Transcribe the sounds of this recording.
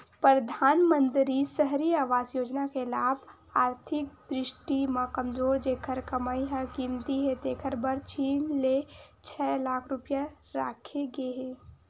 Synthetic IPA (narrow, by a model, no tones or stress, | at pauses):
pɾɾəd̪ʱaːnmə̃nt̪ɾisəɦɾiaːʋaːzjoːd͡ʒnakelaːbʱ | aːɾt̪ʰɪk̚d̪ɾɪʃʈimãkəmd͡ʒoːɾd͡ʒeːkʰəɾkəmaːiɦakimt̪iɦɛ̃t̪eːkʰəɾbəɾt͡ʃiːnlet͡ʃʰɛːlaːkʰɾʊpja | ɾaːkʰeɡeɦẽː